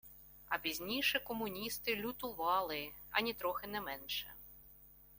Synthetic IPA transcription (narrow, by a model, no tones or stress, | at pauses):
ɐpʲizʲnʲijʃɛkɔmʊnʲist̪ɪlʲʊt̪ʊʋɑlˠɪɐ̰nʲit̪ɾɔxɪnɛmɛnʃɛ̰